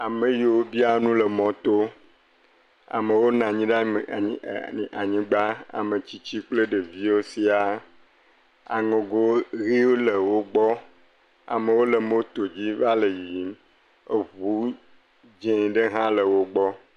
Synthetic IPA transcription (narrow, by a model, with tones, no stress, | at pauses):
a˨mẽ˨ji˨wo˦bi˦a˨nũ˦le˨mɔ̃˨t̪o˦ | a̰˨me˨wo˦nã˨ɲĩ˦ɖa˦˨˦a˨ɲĩ˦ɡ͡ba˦a̰˨mẽ˨t͡ɕi˦t͡ɕi˦k͡ple˦ɖe˨vi˦o˦si˦a˨ | a̰˨ŋõ˨ɡo˦ɣi˦wo˦le˨wo˦ɡ͡bɔ˦ | a̰˨mẽ˨wo˦lə˨mo˦o˦t̪o˨d͡ʑi˦va˦le˨ji˨i˨˦ | e˨βu˨˦ | d͡ʒẽ˦˨ɖe˦ɦã˦lə˨wo˦ɡ͡bɔ˦